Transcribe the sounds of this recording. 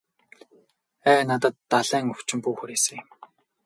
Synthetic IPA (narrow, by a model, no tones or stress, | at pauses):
æːnat̪ə̆t̪ːaɮæːŋɵw̥t͡ɕɪ̆mpuːxuɾeːsɘ̆ŋ